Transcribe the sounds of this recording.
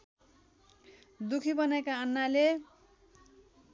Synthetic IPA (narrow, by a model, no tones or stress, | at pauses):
d̪ukʰibʌnekaʌnːale